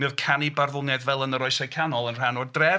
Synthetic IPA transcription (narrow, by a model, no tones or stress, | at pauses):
mɪðkʰanibarðʊlˠnɛdvɛlˠənəɾɔjsɛkʰanɔlˠənr̥anɔdrɛ